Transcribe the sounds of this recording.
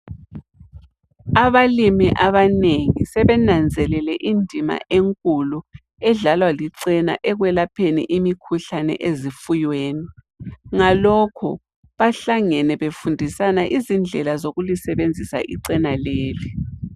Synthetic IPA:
aβalimiʔaβaneŋisɛβɛnand͡zʱɛlɛlɛʔindʱima̰ʔeŋkʼulu | ɛɮalwaliǀɛna̰ʔɛɣwɛlapʰenḭʔimikʰuɬanɛ̰ʔezifujweːni | ŋalɔkʰɔ̰ | βaɬaŋɛnɛβefundʱisanaʔizind͡ɮʱɛlazoɣulisɛβend͡zʱisa̰ʔiǀɛnaleːli

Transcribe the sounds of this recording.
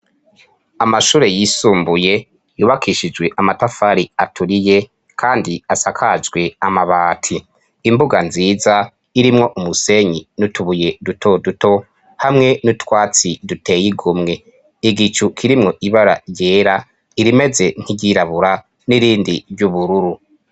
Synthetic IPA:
amaʃuːɾe̞jisuːmbuje̞ | juːβakʰiʃid͡ʒwe̞ʔamatafaɾiatʰuɾije̞ | kʰaːndiasakʰad͡ʒɡwe̞amaβaːtʰiː | mbuɡanziːza | iɾimŋo̞ʔumuse̞ɲinutuβuje̞dutʰo̞duto̞ | hamŋe̞nutwaːt͡sidute̞jiɡumŋe̞ | iɡit͡ʃukʰiɾimŋo̞ʔiβaɾa̰je̞ːɾa | iɾime̞ze̞ŋ̥hiɟiɾaβuɾa | niɾiːndiɾjuβuɾuɾu

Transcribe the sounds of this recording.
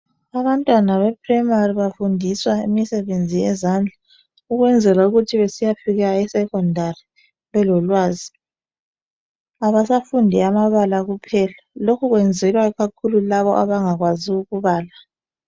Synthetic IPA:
aβantʼwanaβɛpʰʼrɛmariβafundʱiswaḭmisɛβend͡zʱijɛzand͡ɮʱa | uɣwɛnd͡zʱɛlauɣutʰiβesijafiɣaɛsɛkʰʼɔndʱari | βɛlɔlwaːzi | aβasafundʱiamaβalaɣupʰɛlalokʰuɣwɛnd͡zʱɛlwaɣakʰululaβɔ̰ʔaβaŋaɣwaziuɣuβaːla

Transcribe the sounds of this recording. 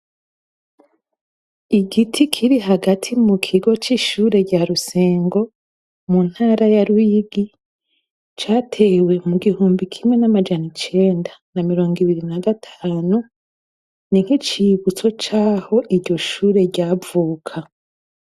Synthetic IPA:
iɡitʰikʰiɾiɦaɡatʰimukʰiɡo̞t͡ʃiʃuːɾe̞ɾɟaɾuseːŋɡo̞ | mun̥haːɾajaɾuiɡi | t͡ʃaːtʰe̞we̞muɡihuːmbikʰimŋe̞namad͡ʒanit͡ʃe̞ːndanamiɾo̞ːŋɡiβiɾinaɡatʰaːnu | niŋ̥hit͡ʃiβut͡so̞t͡ʃaːho̞ʔiɾɟo̞ʃuːɾe̞ɾɟaːvuːkʰa

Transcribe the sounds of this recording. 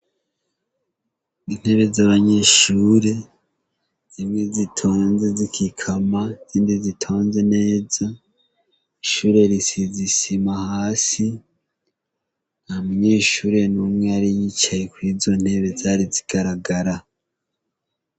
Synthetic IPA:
in̥he̞βe̞zaːβaɲeʃuːɾe̞ | z̥imŋezitʰo̞ːnze̞zikʰikʰamaz̥iːndizitʰo̞ːnze̞ne̞ːza | iʃuːɾe̞ɾisizisimahaːsi | namuɲe̞ːʃuːɾe̞numŋeaɾiɲit͡ʃajekwiːzo̞n̥he̞βe̞zaːɾiziɡ̥aɾaɡaɾa

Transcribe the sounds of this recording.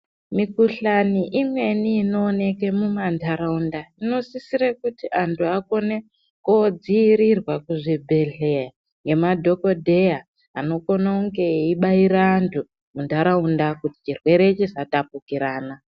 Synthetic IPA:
mikuɬaniʔimwe̞niːno̞ːne̞kemumandʰʱaɾaundaino̞sisiɾekutiʔantʰuako̞ne | kod͡ziːɾirwakuʐibʱe̞ɮea | ŋɡe̞madʱo̞ko̞dʱe̞jaː | no̞ko̞nauŋɡe̞iɓaiɾaːntʰu | mundʱaɾaundakuti̥t͡ʃirwe̞ɾe̞t͡ʃisatap̚ukiɾaːna

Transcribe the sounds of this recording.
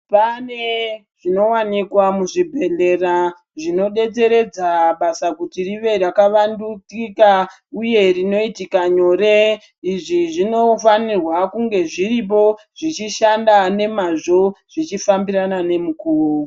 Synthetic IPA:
pane̞ | ʐ̥ino̞wanikwamuʐibʱe̞ɮe̞ra | ʐino̞ɗe̞t͡se̞ɾe̞d͡zaɓasakutiriʋe̞ɾakaʋandut͡sika | uje̞rino̞itikaɲo̞ɾe | iʐiʐino̞fanirwakuŋɡe̞ʐirip̬o̞ | ʐ̥it͡ʃiʃandane̞maʐo̞ʐ̥it͡ʃifambiɾanane̞mukuːru

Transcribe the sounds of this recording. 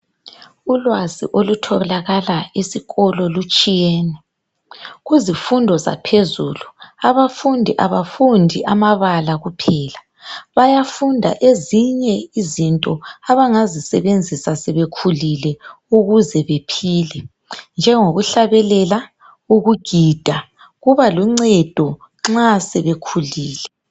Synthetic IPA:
ulwazḭʔolutʰɔɛlaɣalaesiɣɔlɔlut͡ʃʼijɛːnɛ | ɣuzifundʱɔza̰pʰezuluaβafundʱiʔaβafundʱiʔamaβalaɣupʰɛːla | βajafundʱa̰ʔeziɲɛizintʼɔaβaŋazisɛβend͡zʱisasɛβekʰulilɛ | uɣuzɛβepʰiːlɛ | nd͡ʒʱɛŋoɣuɬaβɛlɛla | uɣuɡ̥ʱid̥ʱa | ɣuβaluŋ͡ǀɛd̥ʱɔ | ŋ͡ǁasɛβekʰuliːlɛ

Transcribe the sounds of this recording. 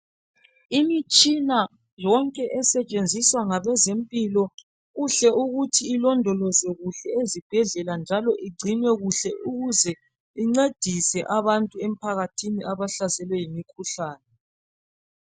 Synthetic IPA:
imit͡ʃʼina | jɔŋkʼɛʔɛsɛt͡ʃʼend͡zʱiswaŋaβɛzempʼilɔ | ɣuɬɛʔuɣutʰiːlɔndʱɔlɔzɛɣuɬɛezib̥ʱɛɮɛland͡ʒʱalɔʔiɡ͡ǀʱinwɛɣuɬɛʔuɣuzɛ | iŋ͡ǀed̥ʱisɛʔaβantʼuem̩pʰaɣatʰiniʔaβaɬasɛlwɛjimikʰuɬaːnɛ

